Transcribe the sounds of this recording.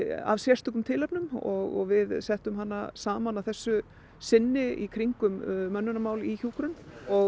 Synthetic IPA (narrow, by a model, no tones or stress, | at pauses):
a̰vsjɛr̥t̪ʏkʏmt̪ʰɪlɛpnʏmɔɣɔ̰ɣvɪðsɛht̪ʏmɦanːasaːmanaθɛsːʏ | sɪnːɪḭkʰɾiŋkʏmːœnːʏnamaːwliçuːkɾʏnɔ